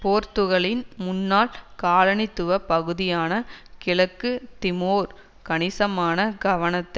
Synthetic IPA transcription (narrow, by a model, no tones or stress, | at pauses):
poːɾt̪ɯɣɐɭɪnmʊnːaːlkaːɻɐɳɪt̪ːɯʋɐpɐɣɯðɪjaːnɐkɪlɐkːɯt̪ɪmoːɾ | kɐɳɪsɐmaːnɐɡɐʋɐnɐt̪ːɐɪ